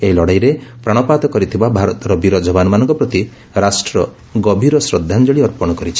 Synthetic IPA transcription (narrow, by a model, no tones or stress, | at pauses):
eɦilɔɽajɾepɾaɽ̃ɔpat̪ɔkɔɾit̪ʰibabʱaɾɔt̪ɾɔbiɾɔd͡ʒɔbanɔmanɔ̃ŋkɔpɾɔt̪i | ɾasʈɾɔ | ɡɔbʱiɾɔsɾɔd̪ʱːand͡ʒɔɭiɔɾpɔɽ̃ɔkɔɾit͡ʃʰi̥